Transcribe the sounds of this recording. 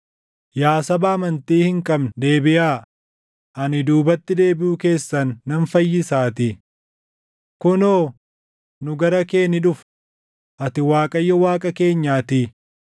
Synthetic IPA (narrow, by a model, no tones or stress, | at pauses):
jaːsɐbɐːmɐnt̪iːhɪŋkʼɐbnd̪e̞ːbɪjaː | ʔɐnɪd̪uːbɐt̪ːɪd̪e̞ːbɪʔʊke̞ːsːɐnːɐnfɐjːɪsaːt̪ɪ | kʊnoː | nʊɡɐɾɐke̞ːnɪᶑʊf | ʔɐt̪ɪwaːkʼɐjːɐwaːkʼɐke̞ːɲːaːt̪ɪ